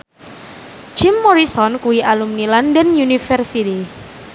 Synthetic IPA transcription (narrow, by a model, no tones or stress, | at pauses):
d͡ʒɪmːɔɾisɔnkuwiʔalumnilandənjunifɛrsiti